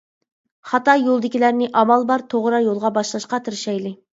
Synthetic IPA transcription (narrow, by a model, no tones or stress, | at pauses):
χɑt̪ɑjolˠd̪ɪkʲilæɾnɪʔɑmɑlˠbɑɾt̪ʰoʁɾɑjolˠʁɑbɑʃlˠɑʃqɑt̪ʰɪɾʃɛjlˠɪ